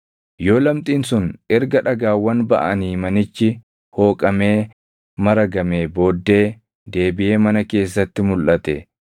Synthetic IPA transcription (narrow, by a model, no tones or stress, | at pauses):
jo̞ːlɐmt̪ʼiːnsʊnʔɛɾɡɐᶑɐɡaːwːɐnbɐʔɐniːmɐnɪt͡ʃːɪ | ho̞ːkʼɐme̞ː | mɐɾɐɡɐme̞ːbo̞ːd̪ːe̞ː | d̪e̞ːbɪʔe̞ːmɐnɐke̞ːs̬ːɐt̪ːɪmʊlʔɐt̪ɛ